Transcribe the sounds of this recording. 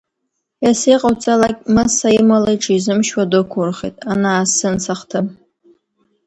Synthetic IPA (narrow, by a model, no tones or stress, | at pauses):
jasijqʼawt͡sʼalakʲʼmɨsajimalajʈ͡ʂʰʼizɨmʃwadokʷʰʊrχḛtʼanaːsɨnt͡sʰaχtʰɨm